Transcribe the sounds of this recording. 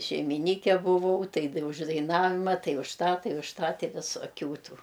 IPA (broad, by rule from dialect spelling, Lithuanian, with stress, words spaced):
ʃʲɛɪmʲɪˈnʲiːkʲɛ bʊˈʋɐʊ ˈtɐɪ t ʊʃ dɐɪˈnɑːʋʲɪmɐ ˈtɐɪ ʊʃ ˈtɑː ˈtɐɪ ʊʃ ˈtɑː ˈtʲɪ ʋʲɪsoːˈkʲuː ˈtuː